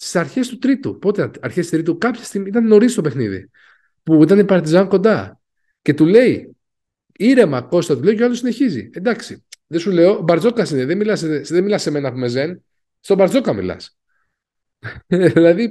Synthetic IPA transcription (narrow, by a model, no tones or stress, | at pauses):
ssɐɾçe̞st̪ut̪ɾit̪ṵpo̞t̪eɐɾçest̪it̪ɾit̪ukɐpçe̥st̪imit̪ɐnno̞ɾist̪o̞pexniðḭ | puit̪ɐnepɐɾt̪izɐŋko̞nd̪ɐ | ce̞t̪ule̞i | iɾe̞mɐko̞st̪ɐt̪ule̞oceɐlosine̞çizḭe̞nd̪ɐksiðesule̞o̞bɐɾzo̞kɐsineðemilɐseðemilɐsːe̞me̞nɐpume̞ze̞n | st̪o̞bɐɾzo̞kɐmḭlɐ̰s | ðilɐði